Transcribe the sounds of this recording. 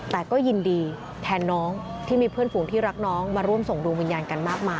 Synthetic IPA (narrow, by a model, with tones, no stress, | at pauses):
t̪ɛː˨˩kɔː˥˩ji˧ndiː˧ | t̪ʰɛː˧nːɔː˦˥ŋt̪ʰiː˥˩miː˧pʰɯ˥˩ənfuː˩˦ŋt̪ʰiː˥˩ɾa˦˥k̚nɔː˦˥ŋmaː˧ɾu˥˩əmso˨˩ŋdu˧ŋwi˧njaː˧nka˧nmaː˥˩k̚maː˧